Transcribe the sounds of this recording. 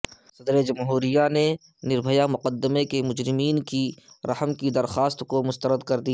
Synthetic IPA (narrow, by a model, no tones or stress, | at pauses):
sɐd̪ɾed͡ʒɐmɦuːɾɪjane | nɪɾbʱəjamʊqəd̪ːəmekemʊd͡ʒɾɪmiːnkiɾɐhəmkid̪ɐɾxaːst̪komʊst̪əɾəd̪kɐɾd̪ia